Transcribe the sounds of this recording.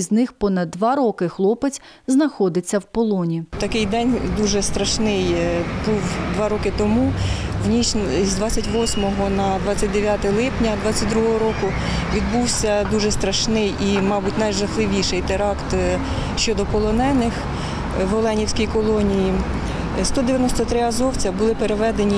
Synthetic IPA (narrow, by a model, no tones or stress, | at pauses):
znɪxpɔnɐd̪ːʋɑɾɔkɪxlˠɔpɪt͡sʲ | znɐxɔd̪ɪt͡sʲːɐwpɔlˠɔnʲit̪ɐkɪjd̪ɛnʲd̪uʒɛst̪ɾɐʃnɪjbuwd̪ʋɑɾɔkɪt̪ɔmuwnʲit͡ʃzdʋɑt͡sʲːɐtʲʋɔsʲmɔɦɔnɐd̪ʋɑt͡sʲːɐt̚ʲd̪eʋʲjat̪ɛlˠɪpnʲɐd̪ʋɑt͡sʲːɐt̚ʲd̪ɾuɦɔɦɔɾɔkʊ | ʋʲid̪̚buwsʲɐd̪uʒɛst̪ɾɐʃnɪjimɑbutʲnɐjʒɐxlˠɪʋʲiʃɪjt̪eɾɑkt̪ | ʃt͡ʃɔd̪ɔpɔlˠɔnɛnɪx | ʋɔlˠɛnʲiwsʲkijkɔlˠɔnʲiji | st̪ɔd̪eʋjɐnɔst̪ɔt̪ɾɪɐzɔwt͡sʲɐbʊlˠɪpeɾeʋɛd̪enʲi